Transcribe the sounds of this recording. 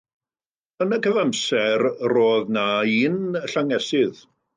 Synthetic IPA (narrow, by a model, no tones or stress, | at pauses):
ənəkʰəvamsɛrroːðnaiːnəɬaŋɛsɪð